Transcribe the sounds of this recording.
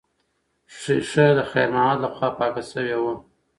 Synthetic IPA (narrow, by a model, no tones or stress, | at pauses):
ʂiʂəd̪əxḛɾnɑɑt̪laxwɑpɑkasəwewu